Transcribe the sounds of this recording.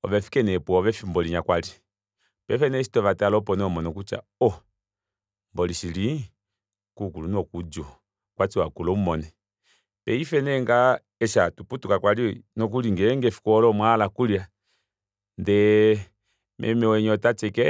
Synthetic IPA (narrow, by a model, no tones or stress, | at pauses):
ɔ̰βɛfi̥kɛnɛpuɔβɛfimbɔliɲakwali | pɛfɛnɛsi̥tɔβatalɔpɔnɛmɔnɔkut͡ʃa̰ɔ | mbɔliʃili | kukulunɔkud͡ʒɔ | kwat͡ʃiwakulɔumɔnɛ | pɛifɛnɛŋɡa | ɛʃatuputukakwalinɔk̬uliŋɡɛɛŋɡɛfi̥kɔɔlɔmwalakulia | ndɛ | mʔɛ̰mɛwɛɲɔtat͡ʃɛkɛ